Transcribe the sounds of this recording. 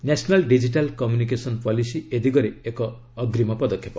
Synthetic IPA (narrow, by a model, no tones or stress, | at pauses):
nasɔnalɖid͡ʒiʈalkɔmjunik̬esɔnpɔlisied̪iɡɔɾeekɔː | ɡɾimɔpɔd̪ɔkʰːjep